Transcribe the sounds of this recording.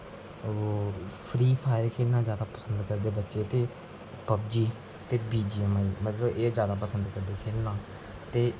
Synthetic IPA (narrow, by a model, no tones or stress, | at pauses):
pʰɾiːpʰaːɪɾkʰeːlnãːzjaːd̪aːpəsənd̪kəɾd̪eːbətːʃeːt̪eː | pəbd͡ʒiː | t̪eːbiːd͡ʒiːəmaːiːmət̪ləbeːd͡ʒjaːd̪aːpəsənd̪kəɾd̪eːkʰeːlnaː | t̪eː